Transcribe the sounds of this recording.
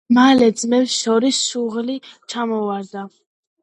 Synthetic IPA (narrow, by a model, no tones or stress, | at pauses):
malɛd̪zmɛpsʃɔɾisːuʁlit͡ʃʰamɔvaɾd̪a